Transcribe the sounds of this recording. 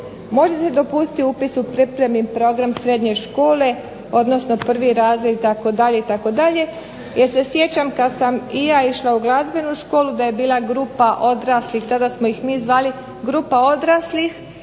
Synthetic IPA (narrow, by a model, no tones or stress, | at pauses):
mo̞ʒesed̪o̞pust̪i̥t̪iupisupɾipɾemnimpɾo̞ɡɾamsɾe̞d̪ɲe̞ʃko̞ːle̞ | o̞d̪no̞sno̞pr̩ʋiɾaːzlilit̪ako̞d̪aʎeit̪ako̞d̪aʎe̞ | jeɾse̞sje̞t͡ɕamkad̪samijaːiʃlˠauɡlˠazbenuʃko̞ːlud̪aje̞biːlˠaɡɾuːpaʔo̞d̪ɾaslixt̪ad̪asmo̞ixmiːzʋaːli | ɡɾuːpao̞d̪ɾaslix